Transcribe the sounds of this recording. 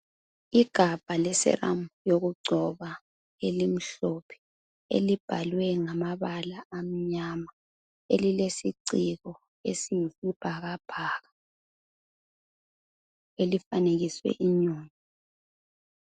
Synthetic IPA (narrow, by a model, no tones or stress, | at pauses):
iɡ̥ʱab̥ʱalɛsɛ̰ra̰mjoɣuɡ͡ǀʱɔβa | elim̩ɬɔpʰɛ̥ | ḛlib̥ʱalwɛŋamaβalaːm̩ɲama | ḛlilesiǀiɣɔ | ḛsijifib̥ʱaɣab̥ʱaːɣa | elifaneɣiswɛ̰ʔiɲoːŋi